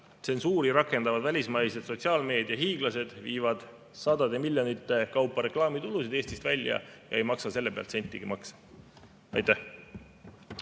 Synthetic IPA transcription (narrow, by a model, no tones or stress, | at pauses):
t̪se̞nsuːɾiɾɑkːˑe̞nd̪ɑvɑd̪vælʲismɑjsed̪̥so̞t̪ʲsiɑːlme̞ːd̪̥jɑɦiːɡ̥lɑse̞d̪̥viːvɑd̪̥ | sɑd̪̥ɑd̪e̞milʲjo̞nit̪ːˑe̞kɑwpːˑɑɾe̞klɑːmit̪ulusid̪̥e̞ːst̪ist̪vælʲjɑ̰jɑ̰e̞jmɑksɑse̞lːe̞peɑ̰lt̪senʲt̪ʲːˑiɡ̥imɑks | ɑjt̪ːæh